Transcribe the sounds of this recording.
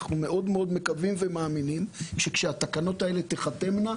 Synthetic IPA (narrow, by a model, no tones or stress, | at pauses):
χnume̞ʔo̞d̪meo̞d̪me̞kavimve̞maːminimʃe̞kʃeat̪akano̞t̪ae̞le̞t̪eχat̪e̞mna